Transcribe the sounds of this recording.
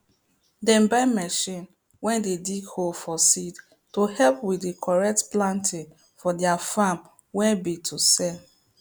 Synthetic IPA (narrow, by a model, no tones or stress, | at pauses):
dɛ̃mbamɛʃĩn | wɛ̃ndediɡholfɔsid | tohɛlpwiekʰɔɹɛk̚tplãntʰĩn | fɔdiafãm | wɛ̃nbitʰusɛl